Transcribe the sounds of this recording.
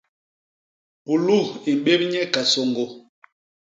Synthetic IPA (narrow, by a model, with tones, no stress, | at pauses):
pu˨lu˦˨i˨m̩˨ɓe˦bɲɛ˦ka˨so˨ŋɡo˨